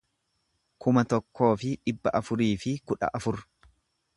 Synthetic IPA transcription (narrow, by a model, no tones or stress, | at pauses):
kʰʊmɐt̪ɔkːo̞ːfɪᶑɪbːɐ̰ʔɐfʊɾiːfɪkʊᶑɐ̰ʔɐfʊɾ